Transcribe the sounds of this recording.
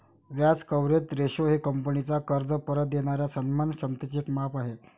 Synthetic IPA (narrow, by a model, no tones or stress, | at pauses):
ʋjat͡skəʋɾet̪ɾeɕoɦekəmpənit͡sakəɾd͡zəpəɾət̪̚deɽ̃aɾjasənmanɕəmt̪it͡ɕekmapaɦe